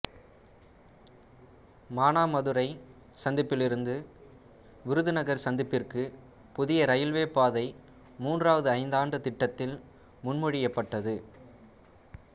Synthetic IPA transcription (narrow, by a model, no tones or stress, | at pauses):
maːnaːmɐðɯɾɐɪ | sɐnd̪ɪpːɪlɪɾɯnd̪ɯ | ʋɪɾɯðɯnɐɣɐɾsɐnd̪ɪpːɪrkɯ | pʊðɪjɐɾɐjɪlʋeːpːaːðɐɪ | muːndraːʋɐðɯɐɪnd̪aːnɖɯt̪ɪʈːɐt̪ːɪl | mʊnmɔɻɪjɐpːɐʈːɐðɯ